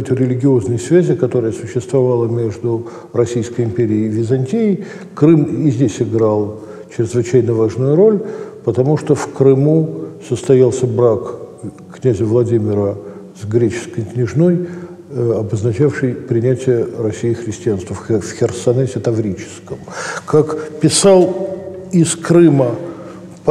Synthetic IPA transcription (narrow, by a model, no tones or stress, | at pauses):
ɛt̪əɾʲɪlʲɪɡʲɪo̞znɨjəsvʲæzʲɪkɐt̪o̞ɾəjəsʊɕːɪst̪vɐvalˠəmʲe̞ʐd̪ʊ | rɐsʲijskəjɪmpʲeɾʲɪːvʲɪzɐnʲtʲiɪj | kɾɨmizʲdʲesʲɪɡɾalˠ | t͡ɕɾʲɪzvɨt͡ɕæjnəvaʐnʊjʊɾo̞lʲpət̪ɐmuʂt̪ofkɾɨmusəst̪ɐjalˠsʲəbɾak | knʲæzʲɪvlˠɐdʲimʲɪɾəsɡɾʲet͡ɕɪ̥skəjknʲɪʐno̞j | ɐbəznɐt͡ɕafʂɨjpɾʲɪnʲætʲɪjərɐsʲːijɪxɾʲɪsʲtʲɪanst̪vəffʲxʲɪrsɐnɛsʲɪt̪ɐvɾʲit͡ɕɪ̥skəmkakpʲɪsalˠɪskɾɨmə | p